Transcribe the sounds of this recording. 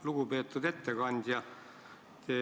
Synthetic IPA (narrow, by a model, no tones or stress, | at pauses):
luɡ̥upe̞ːt̪ːˑud̪e̞t̪ːe̞kɑnʲd̪̥jɑ | t̪eː